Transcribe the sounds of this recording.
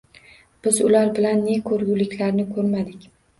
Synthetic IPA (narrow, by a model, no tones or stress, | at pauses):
b̥ɪzʊlaɾbɪlanːe̞kʰɵɾɡʲʊlɪkʲʰlaɾnɪkʰɵɾmad̪ɪkʲ